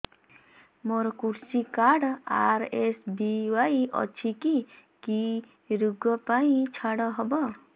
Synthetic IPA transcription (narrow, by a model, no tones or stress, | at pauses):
moɾkuɾsikaɽa̰ɾesbiwaiʔɔ̰t͡ʃʰikiki | ɾuɡɔpaĩt͡ʃʰaɽɔɦɔbɔ